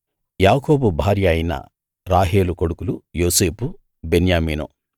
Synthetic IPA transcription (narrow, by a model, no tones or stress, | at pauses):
jaːko̞ːbubʱaːɾjɐjinɐ̰ | ɾaːɦe̞ːlukoɽukulujoːse̞ːpu | benjaːmiːno̰ː